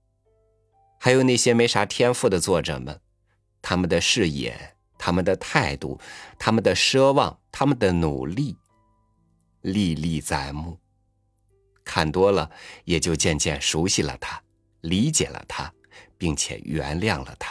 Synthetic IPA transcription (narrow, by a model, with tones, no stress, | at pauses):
xa˧˥ɪjo˨˩ʊna˥˩ɕjɛ˥me˧˥ɪʂa˧˥t̪ʰjɛ˥nfu˥˩d̪ə˩t͡swɔ˥˩ʈ͡ʂɤ̰˨˩mə̰˦n | t̪ʰa˥mə˨nd̪ə˩ʂɻ̩˥˩jɛ̰˨˩˦ | t̪ʰa˥mə˨nd̪ə˩t̪ʰa˥˧ɪt̪u˥˩t̪ʰa˥mə˨nd̪ə˨ʂɤ˥wɑ˥˩ŋt̪ʰa˥mə˨nd̪ə˩nu˨˩li˥˩ | li˥˧li˥˧t͡sa˥˩ɪmu˥˩ | kʰa˥˩nt̪wɔ˥lə˨jɛ˨˩t͡ɕjo˥˧ʊt͡ɕjɛ˥˧nt͡ɕjɛ˥˩nʂu˧˥ɕi˥˨lə̰˩t̪ʰa˥ | li˧˥t͡ɕjɛ̰˨˩lə̰˦t̪ʰa˥ | pi˥˩ŋt͡ɕʰjɛ̰˨˩ɥɛ̰˧˥nljɑ˥˩ŋlə̰˩t̪ʰḁ˥